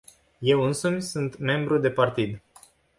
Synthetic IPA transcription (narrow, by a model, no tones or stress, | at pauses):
je̞wɨnsumʲsunt̪me̞mbɾud̪e̞part̪id̪